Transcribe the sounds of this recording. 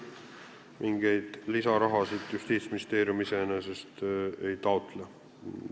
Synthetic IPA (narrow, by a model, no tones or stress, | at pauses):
mʔiŋɡ̥e̞jd̪̥lisɑɾɑɦɑsid̪̥just̪iːt̪sminist̪eːɾjumisenesest̪e̞jt̪ɑot̪ˑle